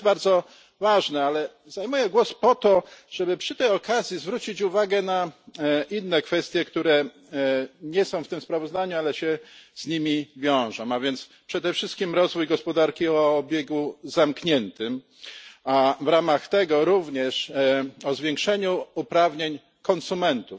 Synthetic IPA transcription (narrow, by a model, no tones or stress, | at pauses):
baɾd̪zɔ | vaʐnɛalɛ | zajmujɛɡwɔspɔt̪ɔʐ̥ɛbɘpʂɘt̪ɛjɔkazʲjizvɾut͡ɕit͡ɕuvaɡɛnaʔinːɛkfɛst̪ʲjɛkt̪uɾɛ | ɲɛsɔ̃w̃ft̪ɘmspɾavɔzd̪aɲualɛɕɛz̥ɲimʲivʲjɔ̃w̃ʐɔ̃w̃avʲjɛnt̪spʂɛd̪ɛfʂɘst̪kʲimɾɔzvujɡɔspɔd̪aɾkʲiɔːbʲjɛɡuzamkɲɛnt̪ɘm | avɾamaxt̪ɛɡɔɾuvɲɛʂɔzvʲjɛ̃ŋkʂɛɲuːpɾavɲeɲ | kɔnsumɛnt̪uf